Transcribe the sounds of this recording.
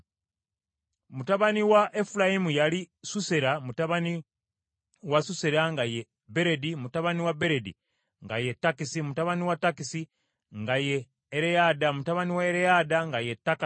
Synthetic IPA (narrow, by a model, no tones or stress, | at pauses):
mutaβaniwaʔefulajimujalisuse̞ɾamutaβani | wasuse̞ɾaŋɡaje | be̞ɾe̞dimutaβaniwabe̞ɾedḭ | ŋɡa̰je̞tːakisimutaβaniwatːakisi | ŋɡajeː | ɾejadamutaβaniwaeɾejadaŋɡajetːaka